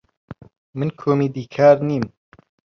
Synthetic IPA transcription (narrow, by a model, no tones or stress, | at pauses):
mɨnkʰoːmiːd̪iːkʰaːɾniːm